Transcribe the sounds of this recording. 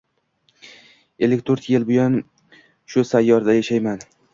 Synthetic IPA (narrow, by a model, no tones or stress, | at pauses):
e̞lːɪkʲt̪ʰoɾt̪jelbʊjan | ʃʊsajːɒɾd̪ajaʃajman